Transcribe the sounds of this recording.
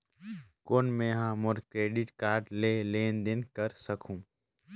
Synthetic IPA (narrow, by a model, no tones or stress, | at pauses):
koːnmẽːɦãːmoɾkɾeːɖɪʈkaːɾɖleːleːnd̪ɪnkəɾsəkʰũː